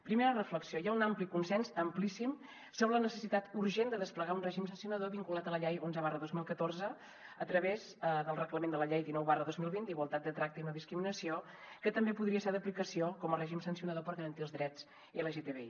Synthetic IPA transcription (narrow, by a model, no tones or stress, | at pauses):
pɾimeɾərəfləksiojaunamplikunsɛnzəmplisim | soβələnəsəsit̪at̪uɾʒend̪əðəspləɣaunrɛʒimsənsiunəðoβiŋkulat̪ələʎɛjonzəβarəðozmilˠkət̪orzə | ət̪ɾəβezðəlˠrəkləmend̪ələʎɛjðinɔwβarəðozmilˠβint̪iɣwolˠt̪at̪̚d̪ət̪ɾak̚t̪əiunoðiskɾiminəsio | kət̪əmbepuðɾiəseɾðəplikəsiokɔmərɛʒimsənsiunəðopəɾɣəɾənt̪iəlˠzðɾɛt͡s | iələʒet̪eβḛi